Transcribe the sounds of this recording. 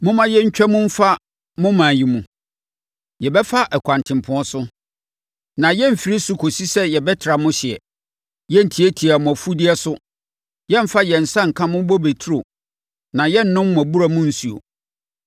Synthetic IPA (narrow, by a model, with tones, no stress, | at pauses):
mʊ̃˦mã˦jɛ˦ɲ̩˦t͡ɕᶣɛ˦mʊ̃˦m̩˦fa˦ | mʊ̃˦mã˨ji˨mũ˨ | jɛ˨bɛ˦fa˦ʔɛ˨kʷʰã˨ntʰɪ̃˨m˨pʰʊ̃˦ɔ˦sʊ˦ | nã˨jɛ˦m̩˨fi˨ɾi˦sʊ˦kʰo˨si˦sɛ˦jɛ˨bɛ˦tʰɪ˨ɾa˨mʊ̃˦ɕɪ˨ɛ̰˨ | jɛ˦n̩˨tʰi˨æ˦tʰi˨a˨mʊ̃˨æ˨fu˦di˦ɛ˦sʊ˦ | jɛ˦m̩˦fa˦jɛ˨n̩˨sã˦ŋ̩˨kʰã˦mʊ̃˦bɔ˦be˨tʰi˦ɾo˨ | nã˨jɛ˦n̩˨nʊ̃˦mːʊ̃˨æ˨bu˦ɾa˦˨mʊ̃˦n̩˦su˨o̰˨